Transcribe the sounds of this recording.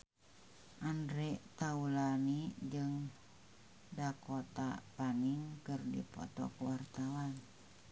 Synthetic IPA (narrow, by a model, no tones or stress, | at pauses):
ʔandɾɛt̪aulanid͡ʒɨŋ | dakot̪a̰paniŋkərdḭpɔ̰t̪ɔ̰kəwart̪awan